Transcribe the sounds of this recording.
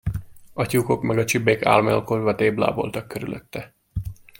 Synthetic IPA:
ɒcuːko̞kmɛɡɒt͡ʃibːeːka̰ːlmɒlkorvɒt̪eːbla̰ːbo̞̰lt̪ɒkːøɾylʔø̰t̪ːɛ

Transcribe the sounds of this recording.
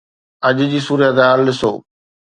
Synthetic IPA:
ɐʄd͡ʑiːsuːɾjət̪eɦaːɾlɪsoː

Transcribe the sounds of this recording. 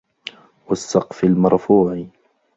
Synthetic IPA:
wasːɑqfɪlmɑɾˤfuːʕ

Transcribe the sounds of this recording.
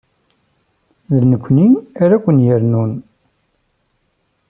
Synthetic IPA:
ðənəkʷːniæɾækʷːənjəɾnun

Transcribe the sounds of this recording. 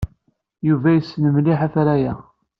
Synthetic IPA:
juvæjəsːnəmliħæθɾæjæ

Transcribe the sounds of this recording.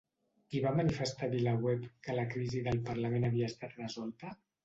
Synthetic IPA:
kiβamənifəst̪aβiləɣwɛpkələkɾiziðəlˠpəɾləmenəβ̞iəːst̪at̪rəzɔlˠt̪ə

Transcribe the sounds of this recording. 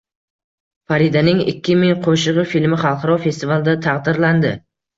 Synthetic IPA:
faɾid̪anɪŋɪ̰kʲʰːɪmɪŋqʰoʃɨʁɨfilmɪχɑlˠqʰɑɾɒfe̞st̪ivalˠɪd̪at̪ʰɑqd̪ɪɾland̪ɪ

